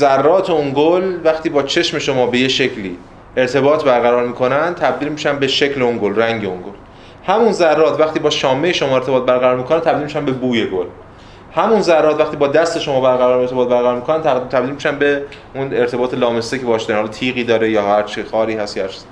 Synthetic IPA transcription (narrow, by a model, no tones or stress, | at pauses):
zærːɒːt̪ʰeuŋɡolvæxt̪iːbɒːt͡ʃʰe̞ʃme̞ʃo̞mɒːbe̞jeʃecʰliː | e̞ɾt̪ʰe̞bɒːt̪ʰbæɾɣæɾɒːɾmiːkʰo̞nænd̪̚t̪ʰæb̚d̪iːlmiːʃænd̪beʃecle̞oŋɡolræŋɟeoŋɡol | hæmunzærːɒːt̪ʰvæχt̪iːbɒːʃɒːmejeʃo̞mɒːe̞ɾt̪ʰeɒːt̪̚bæɾɣæɾɒːɾmiːkʰonænt̪ʰæbd̪ilmiʃænbebuːje̞ɡol | hæmunzærːɒːt̪væxt̪iːbɒːd̪æst̪e̞ʃo̞mɒːbæɾɣæɾɒːɾeɾt̪ʰeɒːt̪̚bæɾɣæɾɔːɾmikʰonænt̪t̪ʰæbd̪ilmiʃænbe̞ | uneɾt̪ʰe̞bɒːt̪ʰe̞lɒːmest̪ecʰeɒːʃd̪ɾnhɒlːt̪ʰiːɣiːd̪ɒːɾejɒːhæɾt͡ʃʰixɒːɾiːhæst̪jæɾt͡ʃʰs